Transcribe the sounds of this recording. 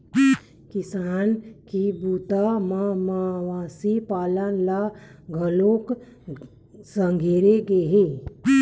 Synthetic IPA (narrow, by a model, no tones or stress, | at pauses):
kɪsaːnkibuːt̪amamaʋaːsipaːlənlaɡʱəlok | sə̃ŋɡʱeːɾeɡeɦe